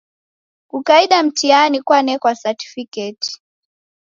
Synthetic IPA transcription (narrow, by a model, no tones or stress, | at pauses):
kukaiɗam̩tianikwanɛkwasati̥fikɛti̥